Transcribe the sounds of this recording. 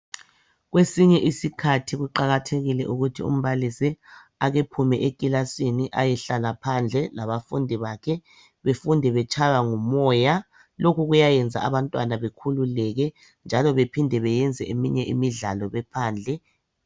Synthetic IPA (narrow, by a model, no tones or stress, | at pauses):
ɣwesiɲɛʔisikʰatʰiɣuǃaɣatʰeɣilɛ̰ʔuɣutʰḭṵm̩βalisiaɣepʰumɛʔekʼilasiniʔajɛɬalapʰand͡ɮʱɛlaβafṵndʱiβakʰɛ | βefundʱɛβɛt͡ʃʰʼaɣaŋumɔːja | lokuɣujajɛnd͡zʱa̰aβantʼwanaβekʰululɛɣɛ | nd͡ʒʱalɔβepʰindʱɛβɛjɛnd͡zʱɛʔemiɲɛʔimiɮalɔβɛpʰaːnd͡ɮʱɛ